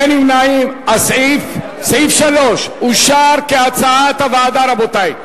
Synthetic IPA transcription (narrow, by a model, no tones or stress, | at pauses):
nimnaːimɐsef | seifʃɐloːʃuʃaːɾkeɐt͡sat̪ɐʋaːd̪aːɾɐbot̪aːi